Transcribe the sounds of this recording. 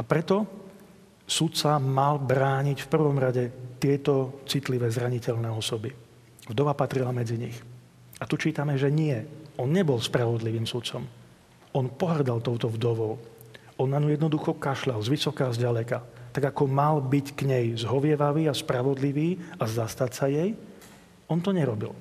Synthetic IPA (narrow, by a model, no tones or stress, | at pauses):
apɾɛt̪ɔ | sut̪t͡samalbɾaːɲicfpr̩ʋɔmɾaɟɛt̪ɪɛt̪ɔt͡sit̪liʋɛzɾaɲicɛʎnɛːɔsɔbi | vd̪ɔʋapat̪ɾilamɛd͡ziɲix | at̪ut͡ʃiːt̪amɛʒɛɲɪɛʔɔnɲɛbɔlspɾaʋɔd̪liʋiːmsut̪t͡sɔm | ɔnpɔɦr̩d̪alt̪ɔʊt̪ɔvd̪ɔʋɔʊʔɔnːaɲujɛd̪nɔd̪uxɔkaʃlalzʋisɔkaːzɟalɛkat̪aɡakɔmalbickɲɛjzɦɔʋɪɛʋaʋiːaspɾaʋɔd̪liʋiːazast̪atsajɛj | ʔɔnt̪ɔɲɛɾɔbḭl